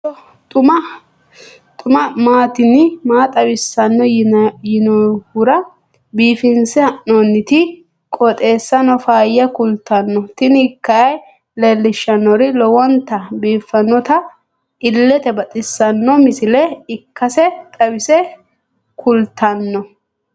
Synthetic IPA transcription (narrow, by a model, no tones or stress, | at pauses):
ɔ | t̪ʼʊmɐ | t̪ʼʊmɐmaːt̪ɪnɪmaːt̪ʼɐwɪsːɐnːɔjɪnɔhʊɾɐ | biːfɪnsɛɐʔnɔnːɪt̪ɪ | kʼɔt̪ʼe̞ːsːɐnɔfaːjːɐkʊlt̪ːɐnːɔt̪ɪnɪkːɐɐj | lelːɪʃːɐnːɔɾɪlɔwɔnt̪ɐbiːfːɐnːɔt̪ɐ | ɪlːɛt̪ɛbɐt̪ʼɪsːɐnːɔmɪsɪlɛɪkːɐsɛt̪ʼɐwɪsɛ | kʰʊlt̪ʰɐnːɔ